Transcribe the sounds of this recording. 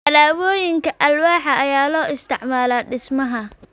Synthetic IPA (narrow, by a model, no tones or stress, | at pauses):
ɐlaːwɔːjɪŋkʰɐʔɐlwaːħɐʔɐjaːlɔːɪst̪ʰɪʕmaːlaːɖɪsmɐɦɐ